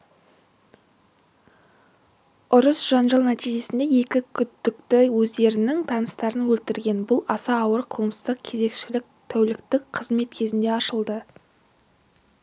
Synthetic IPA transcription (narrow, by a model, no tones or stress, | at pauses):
ʊɾəsʒ̥ɑnʒɑlˠnæt̪iʒe̞sɪnd̪e̞je̞kʲɪkʲʰʏd̪ːɪkt̪ɪwɵzd̪e̞ɾɪnɪŋt̪ʰɑnəst̪ɑɾənwɵlt̪ɪɾɡʲe̞nbʊlˠɑsɑːwəɾqʰəlˠəmsəzd̪əq̚kʲʰe̞ze̞kʃɪlɪk̚t̪ʰæwlɪkt̪ɪkqʰəzme̞t̪kʲʰe̞zɪnd̪e̞ɑʃəlˠd̪ə